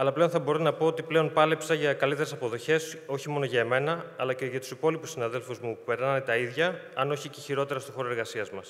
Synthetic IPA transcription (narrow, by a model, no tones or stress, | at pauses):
ɐlɐple̞o̞nθɐbo̞ɾonɐpo̞ot̪iple̞o̞npɐlepsɐʝɐkɐlit̪e̞ɾe̞sɐpo̞ðo̞çe̞so̞çimo̞no̞ʝɐeme̞nɐːlɐce̞ʝɐt̪u̥sipo̞lipusːinɐðe̞lfuzmupupe̞ɾnɐnet̪ɐiðʝɐɐno̞çiceçiɾo̞t̪e̞ɾɐst̪o̞xo̞ɾoeɾɣɐsiɐzmɐs